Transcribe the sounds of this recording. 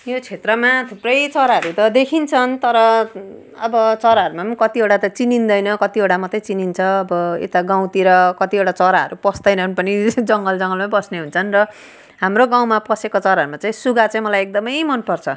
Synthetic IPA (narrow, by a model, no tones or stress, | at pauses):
jot͡sʰet̪rʌmat̪ʰuprʌjt͡sʌɾaɦʌɾut̪ʌd̪ekʰint͡sʰʌnt̪ʌɾʌ | ʌbʌt͡sʌɾaɦʌɾumamkʌt̪ieɽat̪ʌt͡sinind̪ʌjnʌkʌt̪ieɽamʌt̪ʌjt͡sinint͡sʰʌːbʌḛt̪aɡãw̃t̪iɾʌkʌt̪ieʈat͡sʌɾaɦʌ̰ɾupʌsd̪ʌjnʌnpʌnid͡zʌŋɡʌld͡zʌŋɡʌlmabʌsneɦunt͡sʰʌnrʌ | ɦamroɡãw̃mapʌsekot͡sʌɾaɦʌɾumat͡saĩsuɡat͡saĩmʌlajek̚d̪ʌmʌjmʌnpʌrt͡sʰʌ